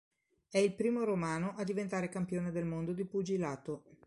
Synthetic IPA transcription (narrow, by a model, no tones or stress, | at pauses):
ɛilpɾiːmoɾomaːnoʔad̪ivent̪aːɾekampjoːned̪elmond̪od̪ipud͡ʒilaːt̪o